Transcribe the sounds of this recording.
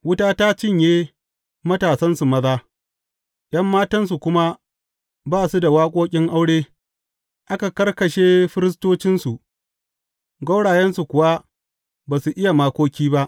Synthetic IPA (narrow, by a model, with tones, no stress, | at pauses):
wʊ˦taː˦ta˦t͡ʃɪ˦ɲjeː˦ | mɐ˦taː˨sɐ˦nsu˨mɐ˦zaː˦ | jɐ˦mːaː˦tɐ˦nsu˨kʷʊ˦ma˦ | baː˦˨su˦da˨waː˦kʷʼoː˦kʲʼɪ˦ŋʔa˦wɽeː˦ | ʔa˦ka˨kɐ˦rkɐ˨ʃeː˦ɸɪ˦ɾɪ˦s̬toː˦t͡ʃɪ˦nsu˨ʔ | ɡɐ˦wɽaː˨jɛ˦nsu˨kʷʊ˨wa˦ | baː˨su˨ʔɪ˦ja˨maː˦kʷoː˦kʲiː˦ba˦ʔ